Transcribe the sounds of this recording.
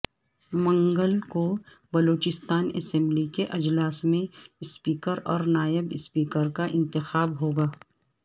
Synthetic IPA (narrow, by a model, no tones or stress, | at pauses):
mɐ̃ŋɡəlko | bɐloːt͡ʃɪst̪aːnɛ̰sɛ̃mblikeʔɐd͡ʒlaːsmẽɪspiːkəɾɔːɾnaːjɪbɪspiːkəɾkaʔɪ̃nt̪ɪxaːbɦoːɡaː